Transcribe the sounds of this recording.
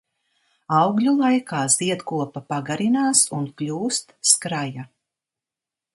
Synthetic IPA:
awɡlʲulˠajkaːz̥iɛt̪kuɔpapaɡaɾinaːsunklʲuːst̪skɾaja

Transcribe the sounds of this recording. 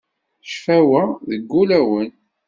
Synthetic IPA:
ʃfæwæðəɡːulæwən

